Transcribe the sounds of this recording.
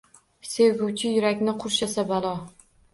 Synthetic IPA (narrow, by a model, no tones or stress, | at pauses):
se̞wʊwt͡ʃʰɪjʊɾakʲnɪqʰʊɾʃasabalˠɒ